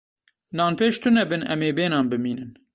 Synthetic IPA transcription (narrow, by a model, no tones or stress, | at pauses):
nɑːnpeːʃt̪ʰʊnɛbɨnʔɛmeːbeːnɑːnbɨmiːnɨn